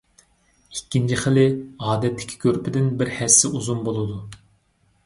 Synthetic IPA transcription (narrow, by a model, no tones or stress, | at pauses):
ikʲːint͡ʃʰiχəlɪɑːd̪ɛt̪ʰːɪ̥kʲʰi̥kʲʰøɾpʰɪd̪ɪnbɪɾhɛsːɪuzumbolˠɨd̪u